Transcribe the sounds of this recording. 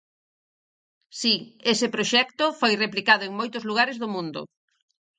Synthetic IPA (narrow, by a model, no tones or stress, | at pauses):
siesɪpɾoʃɛkt̪ʊfojreplikaðʊeŋmojt̪ʊzluɣ̞aɾɪzðʊmũnd̪ʊ̰